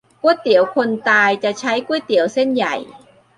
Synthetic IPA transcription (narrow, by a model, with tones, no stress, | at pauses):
ku˥˩əjt̪i˨˩˦əwkʰo˧nt̪aː˧jt͡ɕa˨˩ʔt͡ɕʰa˦˥jku˥˩ə˨jt̪i˨˩˦wse˥˩nja˨˩j